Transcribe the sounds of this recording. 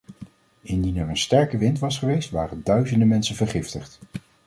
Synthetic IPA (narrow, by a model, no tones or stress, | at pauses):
ɪndinɛɹənstɛɹkəʋɪntʋɑsχəʋejstʋa̰ːrəndœɥzəndəmɛnsənvəɹχɪftəχt